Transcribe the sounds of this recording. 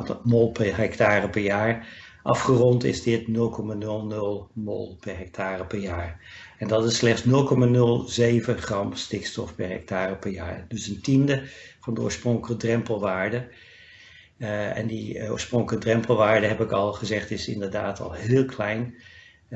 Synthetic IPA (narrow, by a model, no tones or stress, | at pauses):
molˠpɛɦɛktaːrəpɛɹjaːɹʔɑfχərɔntɪ̰zdɪtnɵlˠkɔmanɵlˠnɵlˠmo̰lˠpɛɹɦɛk̚tʰaːrəpɛɹjaːɹɛndɑtɪsːlɛχtsnɵlˠkɔmanɵlˠzejvəχrɑmstɪkstɔfpɛɹɦɛ̰k̚taːrəpɛɹja̰ːɹdɵsəntindəv̥ɑndəo̰ːɹsprɔŋkələkədrɛmpəlˠʋaːɹdə | ɛ̰ndio̰ːɹsprɔŋkələk̚drɛmpəl̩ˠʋaːɹdəɦɛpɪkɑlˠχəzɛχtɪsɪ̰ndəɹda̰ːtʰɑ̰lˠɦɪːlˠkʰlɛjn